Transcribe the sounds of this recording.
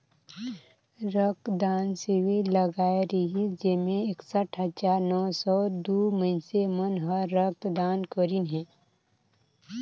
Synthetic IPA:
ɾək̚d̪aːnsiwiləɡaːeɾiɦid͡ʒemẽeksəʈʰɦəd͡ʒaːɾnɔːsɔːd̪uːməɪnsemənɦəɾək̚d̪aːnkoɾinɦɛ̃ː

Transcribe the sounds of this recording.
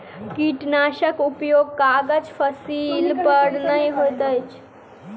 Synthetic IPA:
kiʈnaːʃəkupjoɡ̚kaɡəd͡ʒpʰəsilpəɽnəjɦojt̪əjt͡ʃʰ

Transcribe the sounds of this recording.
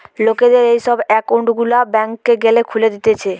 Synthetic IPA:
loked̪eɾejʃɔbɛkowɳʈɡulabɛŋkːeɡelekʰuled̪it̪et͡ɕʰe

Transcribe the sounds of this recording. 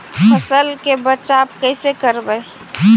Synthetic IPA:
pʰəsəlkebət͡ʃaːb̚kəɪsekəɾbəe

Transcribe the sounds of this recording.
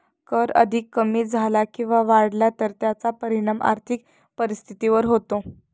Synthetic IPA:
kəɾə̰d̪ʱikːəmiːd͡zʱalakĩw̃ʋaʋaɽlat̪əɾt̪jat͡sapəɾiɽ̃ama̰ɾt̪ʰik | pəɾist̪ʰit̪iʋəɾɦot̪o

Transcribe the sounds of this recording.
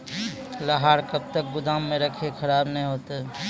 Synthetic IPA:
ləɦaːɾkɐb̚t̪ək̚bʊd̪aːmːẽɾɐkʰekʰɐɾaːbnɐɦĩɦoːt̪eɦɛ

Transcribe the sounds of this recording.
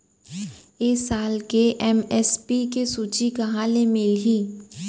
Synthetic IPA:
eːsaːlkeʔɛmɛspikesuːt͡ʃikɐɦãlemɪlɦiː

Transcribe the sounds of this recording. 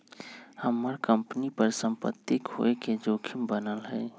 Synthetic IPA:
həmːəɾkə̃mpnipəɾsə̃mpə̰t̪ːikho̰eked͡ʒoːkʰimbənəlɦɛ̰ː

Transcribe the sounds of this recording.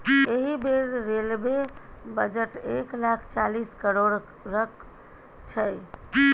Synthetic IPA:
eɦibeɾːelbebəd͡ʒəʈeklakʰt͡ʃaliskəɾoɾː | ək | t͡ʃʰəj

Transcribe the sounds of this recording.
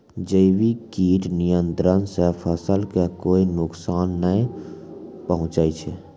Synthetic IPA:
d͡ʒəɪbikiːʈnijənt̪ɾənsepʰəsəlkekoːinʊksaːnːəĩ | pəɦʊ̃t͡ʃəit͡ʃʰɛ

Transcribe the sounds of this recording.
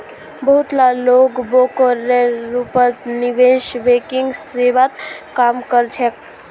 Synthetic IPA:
bəɦut̪lalokbokəɾeɾupət̪niʋeʃʋekiŋɡseʋat̪kamkəɾt͡ʃʰɛ

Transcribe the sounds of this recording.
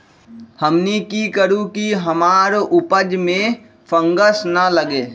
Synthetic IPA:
həmnikikəɾũkiɦəmaːɾʔʊpəd͡ʒmẽ | pʰə̃ŋɡəsnələɡeː

